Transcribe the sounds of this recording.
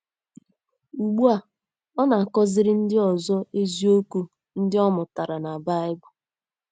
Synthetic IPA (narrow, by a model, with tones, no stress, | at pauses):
u˨ɡ͡bu˦a˨ | ɔ˦na˨a˨kɔ˦zɪ˦ɾɪ˦n̩˦dɪ˦ɔ˨zɔ˦e˦zi˦o˦ku˦ | n̩˦dɪ˦ɔ˦mʊ˨ta˨ɾa˨na˨ba˦ɪ˦ɡ͡bʊ˦